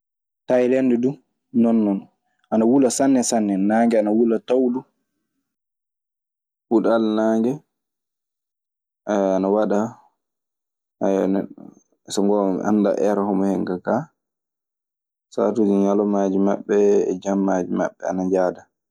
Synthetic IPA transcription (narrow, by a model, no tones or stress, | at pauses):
tajlɛndɛdu | nɔnːɔn | ʔanawulasanːɛsanːɛnaːŋɡɛanawulatawdu | huɗalnaːŋɡɛ | ʔajanawaɗa | ajanɛ | sɔŋɡɔm̰ʔa̰nːda̰ʔɛɾahɔmɔhɛŋkaka | sa̰tud͡ʒiɲalɔmaːd͡ʒimaɓːɛ̰ːd͡ʒamːad͡ʒima̰ɓːɛanad͡ʒaːda